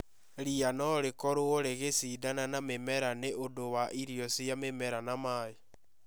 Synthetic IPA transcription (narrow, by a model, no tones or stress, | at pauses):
ɾianɔɾekɔɾooɾeɣesidananamemɛɾaneʔodowaʔiɾijɔsjamemɛɾanamaːje